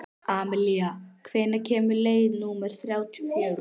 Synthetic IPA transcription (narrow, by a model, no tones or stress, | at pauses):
aːmɪliakʰveːnacʰɛːmʏlejnumaɾ̥θɾjawt̪ʰifœːɾ